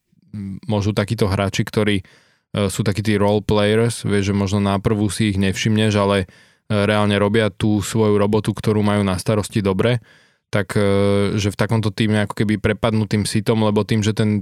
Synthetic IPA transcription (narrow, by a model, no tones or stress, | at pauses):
mɔʒuːt̪akiːt̪ɔɦɾʔaːt͡ʃikt̪ɔɾiː | suːt̪akiːt̪̬iːɾɔlplɛjɛɾsʋɪɛʒʒɛmɔʒnɔnapr̩ʋusiːɣɲɛfʃimɲɛʒalɛ | ɾɛalɲɛɾɔbɪat̪uːsʋɔjuɾɔbɔt̪ukt̪ɔɾuːmajuːnast̪aɾɔscid̪ɔbɾɛ | t̪akʒɛft̪akɔmt̪ɔt̪iːmɛakɔ̥kɛbipɾɛpad̪nut̪iːmsit̪ɔmlɛbɔt̪iːmʒɛt̪ɛn